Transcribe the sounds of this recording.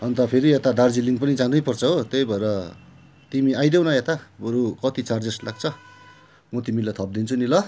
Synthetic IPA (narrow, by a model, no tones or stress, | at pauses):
ʌnt̪ʌpʰeɾiet̪ad̪ard͡ziliŋɡpʌnit͡sãd̪ʌjpʌrt͡sʰʌɦot̪ejbʱʌeɾʌ | t̪imiajd̪ewnʌet̪abʌɾukʌt̪it͡sard͡zeslaɡ̚t͡sʰʌ | mʌt̪imilat̪ʰʌp̚d̪int͡sʰunilʌ